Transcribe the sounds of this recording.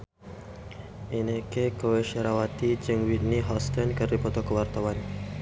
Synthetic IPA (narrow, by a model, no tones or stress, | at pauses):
inekekoweʃəɾawat̪id͡ʒəŋwit̪̚niɦɔst̪ənkəripɔt̪okəwart̪awan